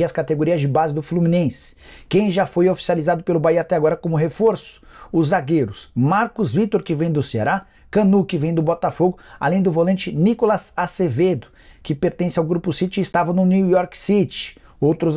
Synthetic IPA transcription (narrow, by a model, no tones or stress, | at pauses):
iɐskat̪eɡoɾiɐzd͡ʒɪbazɪd̪ʊflumĩnẽsɪ̥ | kẽj̃ʒafojofi̥sializad̪ʊpelʊbaiat̪ɛaɡɔɾɐkõmʊɦefoɾsʊ̥ʊzaɡeɾʊsmaɾkʊzvit̪oɾkɪvẽj̃d̪ʊsea̰ɾa | kɐ̃nukɪvẽj̃d̪ʊbɔt̪afoɡʊa̰lẽj̃d̪ʊvolẽnt͡ʃɪnikolɐsaseved̪ʊ | kɪpeɾt̪ẽsɪawɡɾupʊsit͡ʃɪːst̪avɐ̃nʊniwjɔɾksit͡ʃɪ̥ | owt̪ɾʊz